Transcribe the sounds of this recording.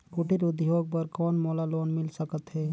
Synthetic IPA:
kʊʈiɾud̪ʱiɦoːɡ̚pəɾkɔːnmoːlaloːnmɪlsəkət̪ɦɛː

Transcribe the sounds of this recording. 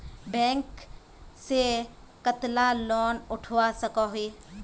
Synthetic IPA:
bɛ̃ːŋk | se | kət̪lalɔːnʊʈʰasəkaɦiː

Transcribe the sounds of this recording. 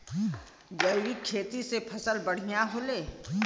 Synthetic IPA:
ɡɐjɾikʰeːt̪isepʰɐsəlbɐɽ̤ijaɦoːleː

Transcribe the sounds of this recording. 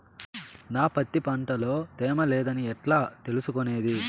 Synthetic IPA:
naːpɐt̪ːipɐɳʈɐlo̞ːt̪ɛːmɐlɛːd̪ɐniɛʈlaːt̪e̞lusukone̞ːd̪i

